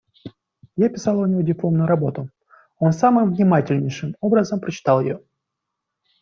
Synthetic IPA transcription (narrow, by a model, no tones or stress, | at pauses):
japʲɪsɑlˠʊnʲɪvo̞dʲɪplˠomnʊjʊɾɐbo̞t̪ʊ | o̞nsamɨmvnʲɪmatʲɪlʲnʲɪjʂɨmo̞bɾəzəmpɾət͡ɕɪ̥t̪ɑlˠjɪ̰jo